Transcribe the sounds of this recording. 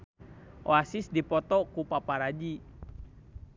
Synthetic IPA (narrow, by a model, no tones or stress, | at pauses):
ʔo̰asisdipɔt̪ɔkupapaɾad͡ʒi